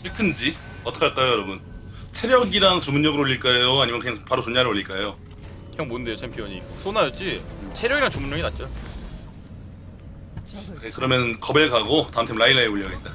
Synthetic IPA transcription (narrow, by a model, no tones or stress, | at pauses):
iɭkʰɯnd͡ʑi | ʌt͈ʰʌkʰaɭk͈ajojʌɾʌbun | t͡ɕʰe̞ɾjʌɡiɾaŋt͡ɕumunɲʌɡɯɾooɭːiɭk͈ajoaɲimʌnkɯɲaŋpaɾot͡ɕonɲaɾɯɾoʎːiɭk͈ajo | kɯɲaŋmonde̞jot͡ɕʰempʰiʌɲis͈ʰonajʌt̚t͡ɕ͈it͡ɕʰe̞ɾjʌɡiɾaŋt͡ɕumunɲʌɡinat̚t͡ɕ͈o | ekɯɾʌmjʌnkʌbeɭkaɡotaɯmtʰemnɭailaioɭʎːʌɡet̚t͈a